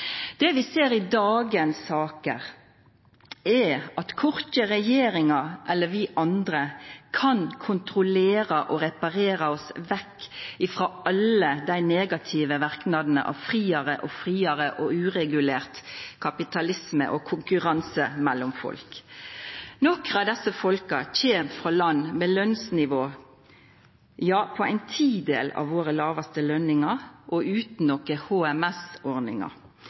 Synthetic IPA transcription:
d̪̥ɛʋɪseːɾɪd̪ɑːɡənsːɑːkə̰ʁ | ɛɑt̪kʰɔʁt̪əʁɛjeːɾɪŋɑʔɛlːəʋɪʔɑnd̪ʁəkʰɑnkʰʊnt̪ɾʊleːɾɑʔɔɾɛpɑɾeːɾɑɔsʋɛkːɪfɾoːɑləd̪æɪneːɡɑt̪ʰiːʋəʋɑɾknɑd̪n̩ə̰ʔɑ̰ʋfʁiːɑʁəʔɔfɾiːɑɾəʔɔʉːʁɛɡʉleːʁt̪kʰɑpɪt̪ʰɑlɪsmə̰ʔɔkʰʊŋkʉʁɑnsəmɛlːʊmfɔ̰lk | nɔkʁɑd̪ɛsːəfɔlkɑçeːmfʁɑːlɑnːmeːlœnsnɪʋoː | jɑːpʰɔæɪnt̪ʰiːd̪ḛːlɑ̰ʋʋoːɾəlɑːʋɑst̪əlœnɪŋɑʁʔɔʉːt̪n̩ɔkəhoːɛmɛsɔʁnɪ̰ŋɑ̰

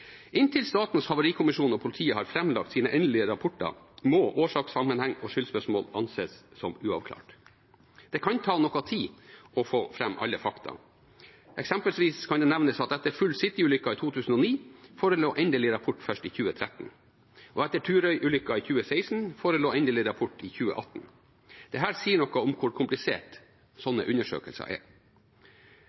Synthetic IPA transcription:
ʔɪnt̪ʰɪlst̪ɑːt̪n̩sfhɑʋʊɾiːkʰʊmɪʂuːnɔpʰʊlɪt̪ʰiːəhɑɾfɾɛmlɑ̰k̚t̪siːnəʔɛːnd̪əlɪəɾɑpʰɔʈːə̰ | moːʔoːʂɑːksɑmːənhɛŋːɔʂʏlspœʂmo̰ːlɑ̰nseːssɔmʉːɑ̰ʋkʰlɑ̰ːʈ | d̪̥ɛkʰɑnt̪ʰɑːnɔkːɑt̪ʰiːɔfoːfɾɛmːʔɑ̰lːəfɑkt̪ʰɑ̰ | ʔɛksɛmpəlsʋiːskʰɑnd̪ɛnæʋnəsɑt̪̚ɛt̪ːəɾfʉlːsɪt̪ːɪʉːlʏkːɑit̪ʰuːt̪ʰʉːsn̩ɔːniːfoːɾəloːʔɛnd̪ɛlɪɾɑpʰʊʈːfœʂʈiːçʉːət̪ʰɾɛt̪n̩ | ʔɔɛt̪ːəʈʰʉːɾœʏʔʉːlʏkːɑiçʉːəsæɪsn̩foːɾəloːɛnd̪ɛlɪɾɑpʰʊʈːɪːçʉːə̰ʔɑt̪ːn | d̪̥ɛɦæːɾsiːəɳɔkəɔmkʰʊɾkʰʊmplɪsḛːʈ | sɔnːə̰ʔʉnːəʂø̰ːkəlsɑ̰ʔɛ̰

